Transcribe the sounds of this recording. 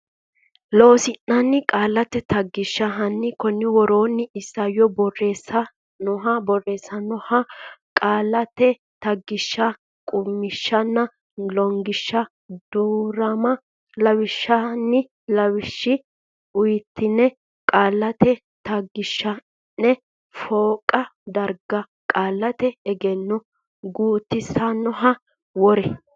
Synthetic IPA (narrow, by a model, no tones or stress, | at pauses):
loːsɪnːɐnːɪkʼaːlːɐt̪ːɛt̪ɐɡːɪʃːɐɦɐnːɪkɔnːɪwɔɾoːnːɪɪsːɐjɔbɔrːeːsɐ | nʊɦɐbɔrːe̞ːsːɐnɔhɐkʼaːlːɐt̪ɛ | t̪ɐɡːɪʃːɐ | kʼʊmːɪʃːɐnːɐ | lɔŋɡɪʃːɐ | d̪̥uːɾɐmɐ | lɐwɪʃːɐnːɪ | lɐwɪʃːɪ | ʊjɪt̪ːɪnːɛ | kʼaːlːɐt̪ɛ | t̪ɐɡɪʃːɐ | nːɛ | foːkʼɐd̪ɐɾɡɐ | kʼaːlːɐt̪ɛɛɡɛnːɔ | ɡuːt̪ːɪsɐnːɔɦɐ | wɔɾɛ